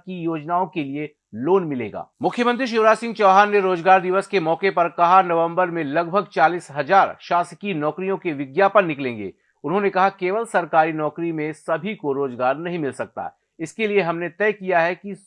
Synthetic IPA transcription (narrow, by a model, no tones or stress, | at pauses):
kijoːd͡ʒnaːõkelie | loːnmɪlḛːɡa̰ːmʊkʰjəmə̃nt̪̬ɾiʃ̬oːɾaːsɪ̃ŋɡt͡ʃɔːɦaːnːeɾoːd͡ʒɡaːɾd̪ɪʋəskemɔːkepɐɾkɐɦanɐʋə̃mbəɾmẽlɐɡ̚bʱəɡ̚t͡ʃaːliːsɦɐzaːɾʃaːskinɔːkɾijõkeʋɪɡjaːpəɾnɪklẽːŋɡḛː | ʊnɦõnekɐɦakeːʋəlsɐɾkaːɾinɔːkɾimẽsɐbʱikoɾoːzɡaːɾnɐɦĩmɪlsɐk̚t̪a̰ | ɪskelieɦɐmnet̪ɛːkijaɦɛki